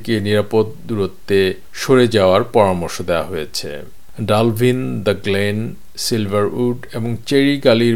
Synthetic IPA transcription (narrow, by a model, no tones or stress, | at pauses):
keniɾapod̪̚d̪uɾot̪ːe | ʃoɾed͡ʑaoaɾpɔɾamoɾʃod̪ea̰ɦojet͡ɕʰḛ | ɖalbʱind̪əɡlen | silbʱaɾuɖeboŋt͡ɕeɾiɡali